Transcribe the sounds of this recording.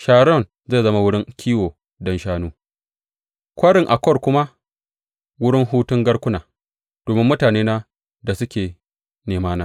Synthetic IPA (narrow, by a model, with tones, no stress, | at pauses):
ʃaː˦˨ɽɔ˦˨n | zeː˦˨zɐ˦ma˦wʊ˦ɽɪ˦ŋkʲʰiː˦woː˨ | dɐ˦nʃaː˦nuː˦ | kʷɐ˦ɽɪ˨ŋʔa˨kʷɔ˦rkʷʊ˦ma˦ | wʊ˦ɽɪ˦ŋɦuː˦tʊ˦ŋɡɐ˦ɽkʷʊ˦naː˨ | d̥oː˨mɪ˦mːʊ˦taː˨neː˦na˦ | da˨sʊ˦kʲeː˨ | neː˨maː˦naː˨˦